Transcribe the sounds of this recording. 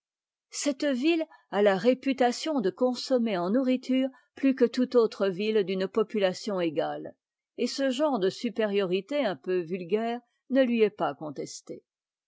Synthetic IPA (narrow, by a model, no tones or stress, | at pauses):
sɛt̪vil | alaʁepyt̪asjɔ̃d̪əkɔ̃sɔmeɑ̃nuʁit̪ʰyːʁ | plykət̪ut̪ot̪χəvild̪ynpɔpylasjɔ̃eɡal | esəʒɑ̃ʁd̪əsypeʁjɔʁit̪eɛ̃pøvylɡʲɛːʁ | nəlɥiɛpakɔ̃t̪ɛst̪e